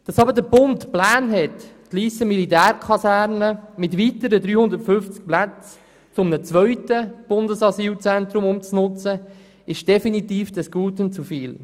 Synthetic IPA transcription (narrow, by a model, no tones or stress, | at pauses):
d̥ɑsɑbəɾdəbʊntplaːnɦɛtː | liːsəmilitæːɾkʰɑsæːɾnəmɪtʋitəɾədɾyːhʊnd̪əɾtfʏnft͡sk̚plat͡s | t͡sʊmnət͡sʋœʏtəb̥ʊndəsɑsyːlt͡sɛnt̪ɾʊmʊmt͡snʊt͡sə | ɪʃd̥ɛfinitiːfd̥əsɡ̥uːtʊnt͡sufiːl